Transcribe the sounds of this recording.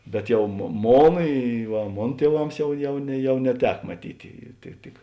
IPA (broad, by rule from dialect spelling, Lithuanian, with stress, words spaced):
bʲɛt ˈjɛʊ moː ˈmoːn ɪ ʋɐ ˈmoːn tʲiɛˈʋɐms ˈjɛʊ ˈjɛʊ nʲɛ ˈjɛʊ nʲɛˈtʲɛk mɐˈtʲiːtʲɪ ˈtʲɪk